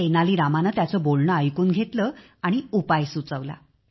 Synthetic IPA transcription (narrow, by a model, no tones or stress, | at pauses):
enaliːɾamanat̪jat͡səbolɳəəjkuːnɡʱet̪lə | aɽ̃iupajsut͡səʋla̰